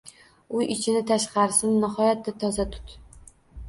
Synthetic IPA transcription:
ʊjɪt͡ʃʰɪnɪt̪ʰaʃqɑɾsɪnːɪɦɒjat̪ːat̪ʰɒzat̪ʰʊ̥t̪

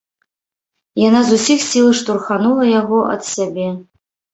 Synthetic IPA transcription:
janazusʲixsʲilˠɨʂt̪urxanulˠɐjaɣɔʔɐ̰t̪sʲabʲeɛ

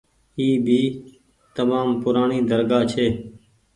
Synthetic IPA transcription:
iːbʱiː | t̪əmaːmpʊɾaːɳiːd̪əɾɡaːt͡ʃʰeː

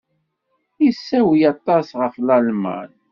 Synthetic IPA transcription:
isːæwjɑt̪ˤɑsʁəflælmæ̰n

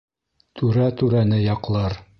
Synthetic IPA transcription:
t̪ʰʉɾæt̪ʉɾænɘjɑqlˠɑɾ

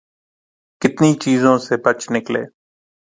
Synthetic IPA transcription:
kɪt̪niːt͡ʃiːzõːseːbət͡ʃnɪklḛː

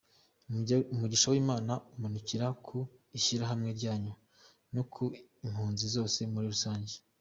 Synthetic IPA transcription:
umuɟiʃawiːmaːnaumanuciɾakʰuiçiɾaɦamŋe̞ɾɟaːɲu | nukʰuim̥huːnzizo̞ːse̞muɾiɾusaːɲɟe

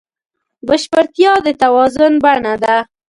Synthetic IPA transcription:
bəʃpaɾt̪jɑd̪ət̪awɑzʊnbaɳad̪a

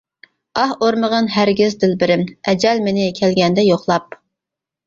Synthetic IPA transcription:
ɑhoɾməʁənhæɾɡʲɪzd̪ɪlbɪɾɪmɛd͡ʒɛlmɪnɪkʲʰɛlɡʲɛnd̪ɛjoχlˠɑp̚

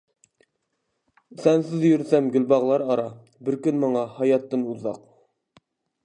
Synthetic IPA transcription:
sɛnsɪzjyɾsɛmɡʲylbɑʁlˠɑɾɑɾɑ | bɪɾkʲynmɑɴɑhɑjɑt̪ːɨnuzɑq

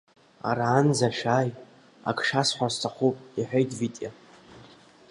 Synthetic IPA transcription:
a̰ɾaːnzaʃᶣaːj | a̰kʰʂasħʷastʰaχʷupʼiħʷᶣejtʰʼvitʼja

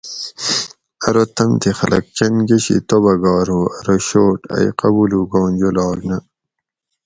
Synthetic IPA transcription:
ɐɾot̪ʰɐmt̪ʰixɐlʔɐ̰k̚t͡ɕɐnɡeɕḭt̪obɐɡɑːɾoɐɾoɕoːʈɐ̰iqɐbuːluɡoːnd͡ʑolɑːɡnɐ

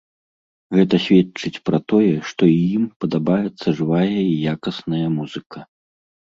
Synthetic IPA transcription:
ɣɛt̪ɐsʲvʲɛt͡ʂɨt͡sʲpɾɐt̪ɔjɛʂt̪ɔijimpɐd̪abajɛt̪sːɐʐɨvajɐijakɐsnɐjɐmuzɨkɐ

